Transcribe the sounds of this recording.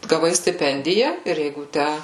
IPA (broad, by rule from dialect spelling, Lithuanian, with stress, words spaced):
ɡɐˈʋɐɪ sʲtʲɪˈpʲɛnʲdʲɪjɛ ɪr ˈjɛɪɡʊ ˈtʲæ